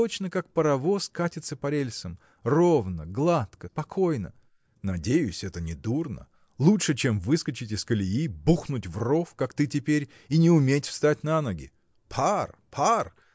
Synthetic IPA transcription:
t̪ot͡ɕnəkak̚pəɾɐvo̞skatʲɪt̪səpɐɾʲelʲsəm | rovnəɡlˠat̪kəpɐkʰo̞jnə̰ | nɐdʲejʊsʲɛt̪ənʲɪd̪urnə̰ | lˠutʂɨt͡ɕemvɨskət͡ɕɪtʲɪskəlʲɪjibuxnʊtʲvro̞fkakt̪ɨtʲɪpʲeɾʲ | inʲɪʊmʲetʲfst̪at̚ʲnanɐɡʲɪ̰ | pʰarpʰar

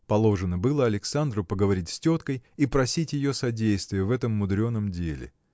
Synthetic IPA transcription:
pɐlˠo̞ʐɨnəbɨlˠəɐlʲɪksand̪ɾʊpəɡəvɐɾʲitʲsʲtʲo̞t̪kəjipɾɐsʲitʲjɪjo̞sɐdʲejst̪vʲɪjəvɛt̪əmːʊd̪ɾʲo̞nːəmdʲelʲɪ̰

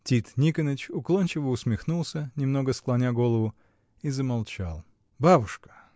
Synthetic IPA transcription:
tʲit̪nʲikənət͡ɕʊklˠonʲt͡ɕɪvəʊsmʲɪxnulˠsʲənʲɪmn̪o̞ɡəsklˠɐnʲaɡo̞lˠəvʊ | izəmalˠt͡ɕa̰lˠ | babʊʂkə̥

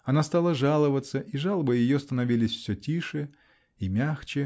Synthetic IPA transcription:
ɐnast̪alˠəʐalˠəvət̪səʔiʐalˠəbəjɪjost̪ənɐvʲilʲɪsʲfsʲɵtʲiʂɨ | imʲaxt͡ɕɪ

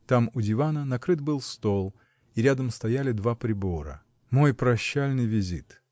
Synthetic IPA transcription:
t̪amʊdʲɪvanənɐkɾɨt̪̚bɨlˠst̪o̞lˠ | iɾʲad̪əmst̪ɐjælʲɪd̪vapɾʲɪbo̞ɾə̰ | mo̞jpɾɐɕːalʲnɨjvʲɪzʲḭt̪

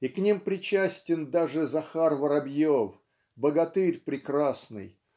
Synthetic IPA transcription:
iknʲimpɾʲɪt͡ɕæsʲtʲɪnd̪aʐɨzɐxarvəɾɐbʲjof | bəɡɐt̪ɨɾʲpɾʲɪkɾasnɨ̰j

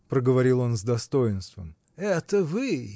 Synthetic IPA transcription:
pɾəɡəvɐɾʲilˠo̞nzd̪ɐst̪o̞jɪnst̪vəm | ɛt̪əvɨ

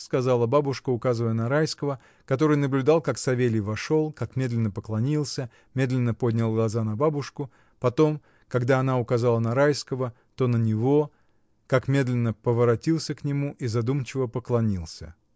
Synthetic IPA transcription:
skɐzɑlˠəbabʊʂkəʊkazɨvəjənɐɾajskəvə | kɐt̪o̞ɾɨjnəblʲʊd̪ɑlˠkaksɐvʲelʲɪjvɐʂo̞lˠkakmʲe̞d̪lʲɪnːəpəklˠɐnʲilˠsʲə | mʲe̞d̪lʲɪnːəpo̞dʲnʲɪlˠɡlˠɐzanɐbabʊʂkʊ | pɐt̪o̞m | kɐɡd̪aɐnaʊkɐzalˠənɐɾajskəvə | t̪o̞nənʲɪvo̞ | kakmʲe̞d̪lʲɪnːəpəvəɾɐtʲilˠsʲəknʲɪmuʔizɐd̪umt͡ɕɪvəpəklˠɐnʲilˠsʲə̰

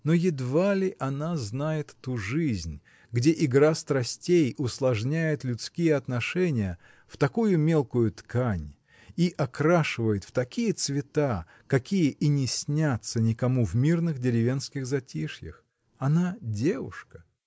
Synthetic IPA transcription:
nojɪd̪valʲɪʔɐnaznajɪt̪ːuʐɨzʲnʲ | ɡdʲeʔɪɡɾast̪ɾɐsʲtʲejʊslˠɐʐnʲæjɪt̪lʲʊt̪skʲijəɐt̪nɐʂɛnʲɪjə | ft̪ɐkujʊmʲe̞lˠkʊjʊt̪kanʲ | iʔɐkɾaʂɨvəjɪt̪ft̪ɐkʲijət̪svʲɪt̪a | kɐkʲijəʔinʲɪsʲnʲat̪sənʲɪkɐmuvmʲirnɨxdʲɪɾʲɪvʲe̞nskʲɪɣzɐtʲiʂjə̰x | ɐnadʲe̞vʊ̰ʂkə̥

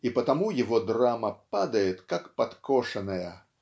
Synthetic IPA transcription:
ipɐt̪amujɛvɔd̪ɾamɐpad̪ɐjɛt̪kakpat̪kʰɔʂɐnɐjɐ

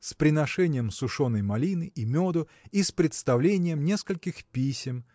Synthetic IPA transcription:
spɾʲɪnɐʂɛnʲɪjəmsʊʂonəjmɐlʲinɨʔimʲod̪ʊ | ispɾʲɪt̪st̪ɐvlʲenʲɪjəmnʲe̞skəlʲkʲɪxpʲisʲɪm

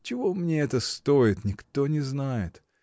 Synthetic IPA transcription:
t͡ɕɪvo̞mnʲeɛt̪əst̪oɪt̪nʲɪkt̪o̞nʲɪznajɪt̪

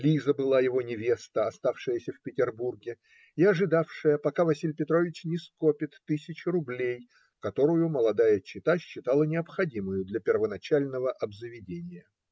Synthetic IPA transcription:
lʲizəbɨlˠajɪvo̞nʲɪvʲe̞st̪əɐst̪afʂɨjəsʲəfpʲɪtʲɪrburɡʲɪ | ɪɐʐɨd̪afʂɨjəpɐkavɐsʲilʲpʲɪt̪ɾo̞vʲɪt͡ɕnʲɪskopʲɪt̪ːɨsʲɪt͡ɕɪɾʊblʲej | kɐt̪o̞ɾʊjʊməlˠɐd̪ajət͡ɕːɪt̪aɕːɪt̪alˠənʲɪɐpxɐdʲimʊjʊd̪lʲɐpʲɪrvənɐt͡ɕalʲnəvəʔɐbzəvʲɪdʲenʲɪjə

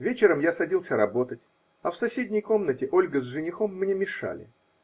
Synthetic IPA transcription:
vʲet͡ɕɪɾəmjasɐdʲilˠsʲəɾɐbo̞t̪ətʲ | ɐfsɐsʲedʲnʲɪjko̞mnətʲɪʔo̞lʲɡəzʐɨnʲɪxo̞mːnʲemʲɪʂa̰lʲɪ̰

